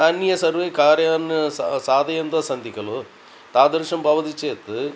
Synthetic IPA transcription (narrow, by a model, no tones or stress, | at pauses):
aːnːijɐsɐɾʋeːkaːɾjaːnsaːd̪ɐjɐnd̪ɐsɐnd̪ikːɐlu | t̪aːd̪ɐɾʂɐmbʱɐʋɐt̪it͡ʃeːt̪ːɨ